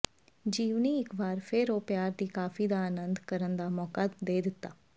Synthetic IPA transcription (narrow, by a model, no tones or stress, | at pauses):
d͡ʒiːʋniɪkbaːɾpʰɪɾoːpjaːɾd̪iːkaːfiːd̪aaːnənd̪kəɾənd̪aːmɔːkad̪eːd̪ɪt̪ːaː